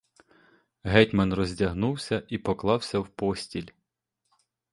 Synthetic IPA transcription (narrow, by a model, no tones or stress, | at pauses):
ɦɛtʲmɐnrɔzʲdʲɐɦnuwsʲɐʔipɔklˠɑwsʲɐwpɔsʲtʲilʲ